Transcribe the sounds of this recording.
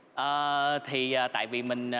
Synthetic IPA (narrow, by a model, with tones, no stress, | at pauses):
ʔəː˨˩t̪ʰi˨˩ʔaː˨˩t̪a̰ː˧˨jvi˨˩mï˨˩ŋ̟ʔ